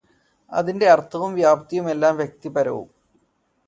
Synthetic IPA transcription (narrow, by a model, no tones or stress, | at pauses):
ɐ̰ðinde̞ɐrt̪ʰːɐʋumʋjaːbɐt̪ɐjume̞lːaːmʋjek̚t̪ipɐɾɐ̰ʋṵm